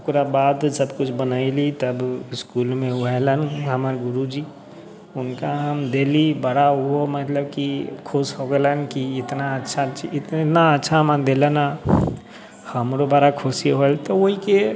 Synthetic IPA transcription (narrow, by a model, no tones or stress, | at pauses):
puɾabad̪səbkut͡ʃʰbənəɪlit̪əbiskulmeuɛlənɦəməɾɡuɾud͡ʒi | ʊnkaɦəmd̪elibəɽauɦomət̪ləbkikʰosɦoɡelənkiɪt̪naətːʃʰaɪt̪naətːʃʰaɦəməd̪eləna | həmɾobəɽakʰosiɦoelt̪ɔoɦike